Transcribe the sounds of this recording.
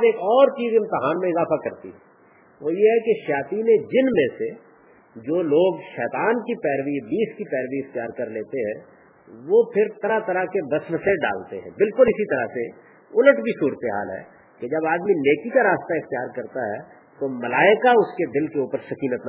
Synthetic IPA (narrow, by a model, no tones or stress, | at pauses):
beːkɔːɾt͡ʃiːzɪ̃mt̪ɪɦaːnmẽɪzaːfakɐɾt̪ḭɦɛ | ʋoːjeɦɛkeʃaːt̪iːned͡ʒɪnmẽse | d͡ʒoːloːɡʃɛːt̪aːnkipɛːɾʋibiːskipɛːɾʋiɪxt̪ijaːɾkɐɾleːt̪eɦɛ̃ | ʋopʰɪɾt̪ɐɾat̪ɐɾakebɐsʋəseɖa̰ːlt̪eɦɛ̃bɪlkʊlɪsit̪ɐɾa̰se | ʊləʈbʱisuːɾət̪eɦa̰ːlɦɛ̰ | ked͡ʒɐbaːd̪mineːkikaɾaːst̪aɪxt̪ijaːɾkɐɾt̪aɦɛ | t̪omɐlaːɪkaʊsked̪ɪlkeuːpəɾsɐkiːnət̪n